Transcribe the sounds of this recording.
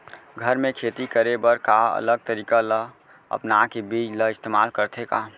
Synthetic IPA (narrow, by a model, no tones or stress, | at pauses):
ɡʱəɾmẽkʰeːt̪ikəɾebəɾkaə̰ləɡ̚t̪əɾiːkalə | ə̰pnakebiːd͡ʒləɪst̪eːmaːlkəɾt̪ʰeka